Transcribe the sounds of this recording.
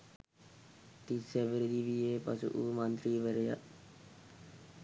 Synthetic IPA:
t̪iseʋəɾd̪iːʋieːpəsṵʔumə̃nt̪ɾiːʋəɾeja̰

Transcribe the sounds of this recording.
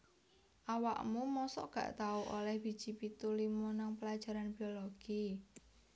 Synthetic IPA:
ʔawaʔmumɔsɔ̰ʔɡ̥a̤̰ʔt̪auʔolɛhb̥i̤̥ʒ̥ipit̪ulimonaŋpəlad̥ʒ̥a̤ɾanbi̤oloɡ̥i

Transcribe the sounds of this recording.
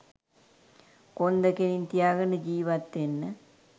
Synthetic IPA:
kond̪əkenint̪ijaːɡənəd͡ʒiːʋat̪ːenːə

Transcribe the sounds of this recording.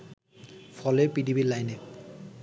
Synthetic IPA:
pʰɔlepidibilajne

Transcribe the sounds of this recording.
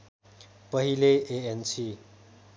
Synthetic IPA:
pʌɦileʔeensi

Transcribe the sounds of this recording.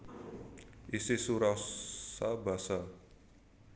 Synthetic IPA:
ʔisisuɾɔsabasa

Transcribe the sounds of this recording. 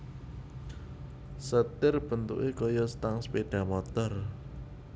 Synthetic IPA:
sət̪ɪrb̥ə̤nt̪ṵʔekɔjɔst̪aŋspeɖ̥a̤mɔt̪ɔr

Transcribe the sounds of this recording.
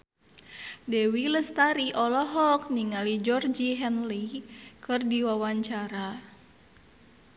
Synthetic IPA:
dɛwiləst̪aɾiʔɔlɔɦɔk̚niŋalid͡ʒɔrd͡ʒiɦɛnlikɨrdiwawaɲt͡ʃaɾa

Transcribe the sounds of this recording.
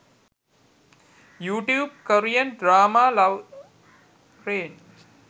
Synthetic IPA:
juːʈjuːb̚kəɾijənɖɾaːmaːlɐʋ | ɾeːn

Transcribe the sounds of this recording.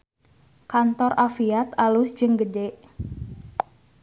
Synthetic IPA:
kant̪ɔrʔafiat̪alusd͡ʒɨŋɡədeʔ

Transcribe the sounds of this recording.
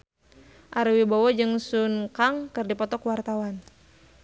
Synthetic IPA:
ʔaɾwibawɔd͡ʒɨŋsunkaŋkɨrdipɔt̪ɔkwart̪awan

